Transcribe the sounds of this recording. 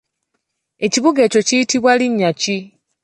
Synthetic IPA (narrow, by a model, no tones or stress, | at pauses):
e̞ciβuɡeco̞cijitiβwaliɲːaci